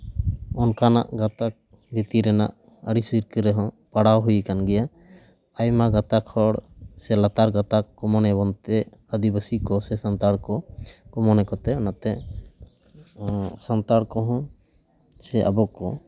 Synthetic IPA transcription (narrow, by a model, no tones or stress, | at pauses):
ɔnkana̰ʔɡat̪ak̚ | bit̪iɾɛna̰ʔ | əɽisiɾkəɾɛɦɔ̃ | paɽawɦujkanɡɛja | ajmaɡat̪akʰɔɽsɛlat̪aɾɡat̪akːɔmɔnɛbɔnt̪ɛəd̪ibəsikɔsɛsant̪aɽkɔkɔmɔnɛkɔt̪ɛnat̪ɛ | sant̪aɽkɔɦɔ̃ | sɛʔa̰bɔkɔ